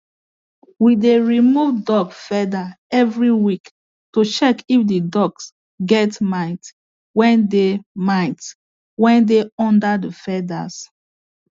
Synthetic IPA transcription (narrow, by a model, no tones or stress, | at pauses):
wideɹimuvdɔɡfɛda | ɛvɹiwik | tot͡ʃɛkifdədɔɡs | ɡɛtmaɪt | wɛ̃ndemaɪt | wɛ̃ndeɔ̃ndadəfɛda̰s